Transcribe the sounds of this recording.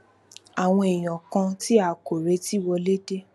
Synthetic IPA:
a˨w̃ɔ̃˧e˨j̃ɔ̃˨kã˧ti˦a˦˨ko˨ɾe˨˦ti˦wɔ˧le˦de˦

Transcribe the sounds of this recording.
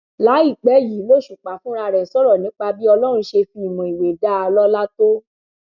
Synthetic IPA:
la˨˦i˦˨k͡pɛ˨˦jiː˨˦lo˦˨ʃu˨k͡pa˨fũ˨˦ɾa˧ɾɛ˨sɔ˦ɾɔ˦˨nĩ˨˦k͡pa˧bi˦ɔ˧lɔ˦ɾ̃ũ˧ʃe˧fĩ˧i˨mɔ̃˨i˨we˨da˦a˧lɔ˦la˦to˦

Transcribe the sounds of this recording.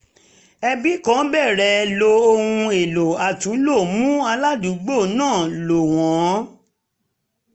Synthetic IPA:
ɛ˧bi˨˦kã˨˦bɛ˦˨ɾɛ˨˦lo˧o˧hũ˧e˨lo˨a˨tũ˨˦lo˦˨mũ˦a˧la˦du˨˦ɡ͡bo˦˨nãː˦˨lo˨w̃ɔ̃˨˦

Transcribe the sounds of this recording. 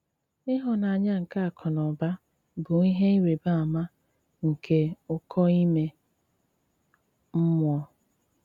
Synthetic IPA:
ɪ˦ɦɔ˨na˨ɲa˦ŋ̩˨ka˦a˨kʰɔ˨nɔ˨ba˦ | bʊ˨ŋi˦ɦe˦i˦ɾe˨ba˦˨a˨ma˦ | ŋ̩˨kʰe˦ʊ˨kʰɔ˦i˦me˦ | m̩˦mʊ˦ɔ˦

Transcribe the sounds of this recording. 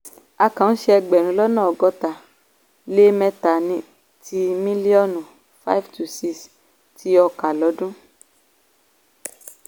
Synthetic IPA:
a˧kã˨ñ̩˦ʃɛ˦˧ɛ˧ɡ͡bɛ˨nũ˨˦lɔ˦nãː˦˨ɔ˨ɡɔ˧ta˨ | le˦mɛ̃˧ta˨nĩ˧ | ti˧mĩ˦li˦ɔ˦nu˨ | fa˦jftu˧si˧s | tʰi˨˦ɔ˧ka˨lɔ˨˦dũ˦

